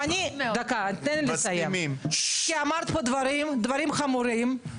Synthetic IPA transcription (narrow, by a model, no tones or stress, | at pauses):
anʲid̪akat̪ɛnlesajemimkiamaɾt̪pod̪vaɾimd̪vaɾimχamuɾim